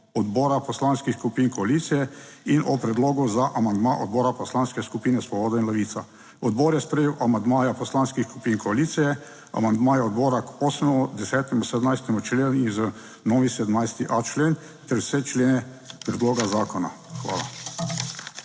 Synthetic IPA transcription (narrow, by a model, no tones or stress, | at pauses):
ɔd̪bɔːɾapɔslanskixskupiːnkɔaliːt̪sijɛinɔpɾɛd̪loːɡuzaʔamand̪maʔɔd̪bɔːɾapɔslaːnskɛskupiːnɛsʋɔbɔːd̪ɔinlɛʋiːt̪a | ɔd̪bɔːɾjɛspɾɛjeːwʔamand̪maːjapɔslaːnskixskupiːnkɔaliːt̪sijɛ | a̰mand̪maːjɛɔd̪bɔːɾakosmɛmud̪ɛsɛːt̪ɛmusɛd̪mnajst̪ɛmut͡ʃleːnizə | nɔːʋisɛd̪mnajst̪iʔat͡ʃleːn | t̪ɛɾwsɛt͡ʃleːnɛ | pɾɛd̪loːɡazaːkɔna̰xʋa̰ːla̰